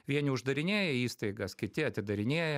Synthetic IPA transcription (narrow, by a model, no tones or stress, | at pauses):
ʋʲiɛnʲɪʊʒd̪ɐɾʲɪnʲeːjɛiːst̪ɐɪɡɐskʲɪt̪ʲɪɐt̪ʲɪd̪ɐɾʲɪnʲeːjɛ